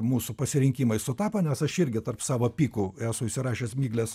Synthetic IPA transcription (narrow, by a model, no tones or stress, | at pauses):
muːsʊpɐsʲɪɾʲɪŋʲkʲiːmɐɪsʊt̪ɑːpɐnʲɛsɐʃɪɾʲɡʲɪt̪ɐrpsɑːʋoːpʲiːkʊæsʊɪʃʲsʲɪrɑːʃʲeːsmʲiːɡlʲɛs